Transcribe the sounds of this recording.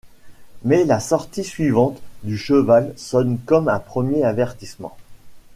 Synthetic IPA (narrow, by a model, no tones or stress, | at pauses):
mɛlasɔʁt̪isɥivɑ̃t̪d̪yʃəvalsɔnkɔmɛ̰̃pχəmjeavɛʁt̪ismɑ̰̃